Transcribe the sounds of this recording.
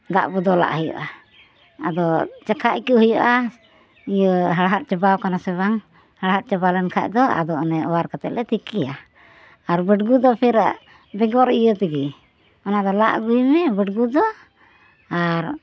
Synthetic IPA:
d̪a̰ʔbɔd̪ɔla̰ʔhəjɔ̰ʔa | a̰d̪ɔt͡ʃakʰaʔkəɦujɔʔa | ijəɦaɽɦat̪̚t͡ʃɛbawkanasɛβaŋ | haɽaɦat̪̚t͡ʃabalɛnkʰa̰ʔ̚d̪ɔa̰d̪ɔnɛɔwaɾkat̪ɛʔ̪̚lɛt̪ʰikija | aɾbəʈɡud̪ɔpʰɛɾa̰ʔ | bɛɡɔɾijət̪iɡi | ɔnad̪ɔla̰ʔɡujmɛbəʈɡud̪ɔ | aɾ

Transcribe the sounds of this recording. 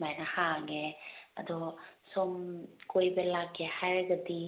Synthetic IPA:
majnahaŋea̰dɔsɔmkojbelakːehajɾeɡadi

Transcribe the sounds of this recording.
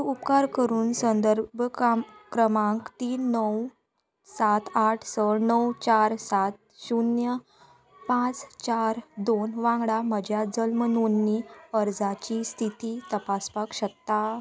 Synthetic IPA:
upkaɾkəɾuːnsənd̪əɾbʱkɾəmãŋkt̪iːnːəw | sat̪ʰaʈʰsəɾnəwt͡ɕaɾsat̪̚ | ɕunjə | pãt͡st͡ɕaɾd̪onʋãŋɡɽaməd͡ʑʱjad͡zəlmənunːiəɾd͡zat͡ɕist̪ʰit̪it̪əpaspakɕəkt̪ːa

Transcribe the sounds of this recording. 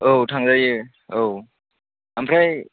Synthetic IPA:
owtʰaŋzajɯ | ow | ampʰɾaj

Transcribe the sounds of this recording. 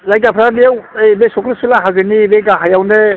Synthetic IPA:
lajkapʰɾabijawejbesɔkɾsulaɦazɯnibeɡaɦajawne

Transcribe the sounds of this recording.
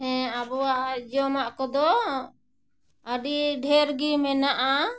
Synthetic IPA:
ɦɛ̃abɔwaʔd͡ʒɔmaʔkɔd̪ɔ | əɖiɖʱɛɾɡimɛnaʔa

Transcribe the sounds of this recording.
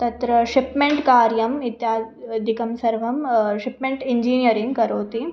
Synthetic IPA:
t̪ɐt̪ɾɐʂipmeɳʈkaːɾjɐmit̪jaːd̪ʱikɐmsɐɾʋɐmʂipmẽɳʈiɲd͡ʒiːnjɐɾĩŋɡkɐɾoːt̪i

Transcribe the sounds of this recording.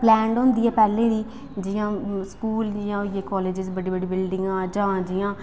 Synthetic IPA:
plɛːɳɖɦʊ̃nd̪iːɛːpɛːlẽːd̪iː | d͡ʒɪjãːskuːld͡ʒɪjãːjeːkɔːleːd͡ʒɪzbəɖiːbəɖiːbɪlɖɪ̃ŋɡãːd͡ʒãːd͡ʒɪjãː

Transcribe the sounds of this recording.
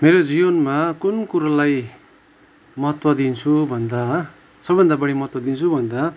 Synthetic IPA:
meɾod͡zibʌnmakunkuɾalaj | mʌɦʌt̪wʌd̪int͡sʰubʱʌnd̪a | sʌbbʱʌnd̪abʌɽimʌɦʌt̪wʌd̪int͡sʰubʱʌnd̪a

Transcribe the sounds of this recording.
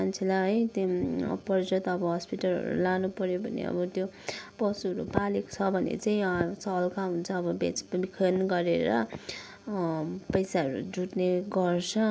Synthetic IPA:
ant͡sʰelaɦʌjt̪ipʌrd͡zʌt̪ʌbʌɦʌspiʈʌlɦʌ̰ɾṵlanupʌɾjobʱʌnḛʌ̰bʌt̪jo | pʌsuɦʌɾṵpaleko̥t͡sʰʌbʱʌnḛt͡saĩsʌlkaɦunt͡sʰʌːbʌbet͡sbikʰʌnɡʌɾeɾʌ | pʌjsaʌɾṵd͡zuʈneɡʌrt͡sʰʌ

